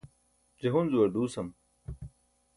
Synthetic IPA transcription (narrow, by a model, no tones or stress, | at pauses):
d͡ʑeɦunzuwɐɾd̪uːsɐm